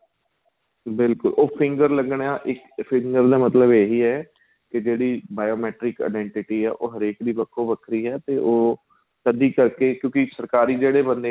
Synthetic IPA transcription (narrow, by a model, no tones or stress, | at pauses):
bɪlkʊlʔoːpʰɪŋɡəɾləɡɳjãːʔɪk | pʰɪŋɡəɾd̪aːmət̪ləbeɦiːɛː | kɪd͡ʒeːɽiːbaːjoːmɛːʈɾɪka̰ːɖɛ̃ːɳʈɪʈiːɛ̰ːʔoːɦəɾeːkd̪iːbəkʰːõːʋəkʰɾiːɛːt̪eːʔoː | t̪əd̪iːkəɾkeːkjõːkɪsəɾkaːɾiːd͡ʒeːɽeːbənd̪eː